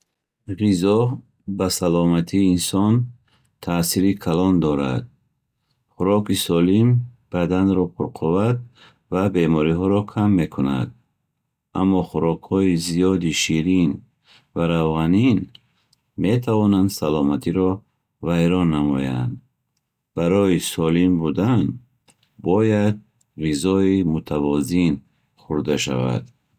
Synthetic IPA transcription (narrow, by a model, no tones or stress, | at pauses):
ʁizɔh | basalɔmat̪ʰiːnsɔn | t̪ʰasiɾikʰalɔnd̪ɔɾa̰d̪̥̚ | χuɾɔkisɔlimb̥ad̪anɾɔpʰuɾqʰɔvad̪̚ | vabe̞mɔɾiɦɔɾɔkʰamːe̞kʰuna̰d̪ | ʔa̰mːɔχuɾɔkhɔizijɔd̪iʃiɾin | vaɾavʁanin | me̞t̪ʰavɔnand̪salɔmat̪ʰiɾɔ | vajɾɔnːamɔ̰ja̰nd̪ | b̥aɾɔisɔlimbud̪an | bɔjad̪̚ | rizɔimut̪ʰavɔzin | χuɾd̪aʃa̰va̰d̪